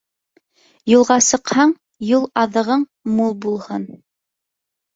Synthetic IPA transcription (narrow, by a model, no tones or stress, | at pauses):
julˠʁɑsɤ̆qhɑɴ | julˠɑðɤ̆ʁɤɴmulˠbulˠhɤn